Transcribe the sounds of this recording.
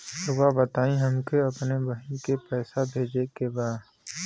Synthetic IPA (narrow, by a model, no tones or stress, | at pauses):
sʊʋabɐt̪aːĩɦɐmkeɐpnebɐɦĩkepɛːsabʱeːd͡ʒekebaːd̪